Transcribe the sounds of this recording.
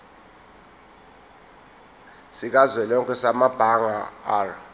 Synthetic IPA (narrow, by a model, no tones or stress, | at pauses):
sik̬azwɛlɔŋkʰʼɛsamab̥ʱaŋaaːr